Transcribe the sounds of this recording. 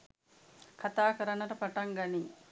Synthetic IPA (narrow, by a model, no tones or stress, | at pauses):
kʰat̪aːkəɾənəʈəpaʈaŋɡani